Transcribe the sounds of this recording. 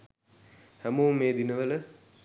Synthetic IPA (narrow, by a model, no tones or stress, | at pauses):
hæmuːmeːd̪inəʋələ